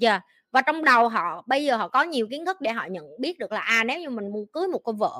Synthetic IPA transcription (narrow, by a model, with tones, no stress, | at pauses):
zaː˨˩ | vaː˨˩t͡ɕɔ˧wŋ͡mɗə˨˩wɦɔ̰˧˨ɓə˧jzəː˨˩ɦɔ̰˧˨kɔ˨˦ɲi˨˩əwki˨˦ənt̪ʰɨ˦˥k̚ɗḛ˧˩ɦɔ̰˧˨ɲə̰˧˨nɓi˦˥ət̚ɗɨ˨˩əklaː˨˩ʔaː˧ne˨˦wɲɨ˧mï˨˩ŋmu˧əkɨː˨˦jmo˨˩t̚koː˧wvə̰ː˧˨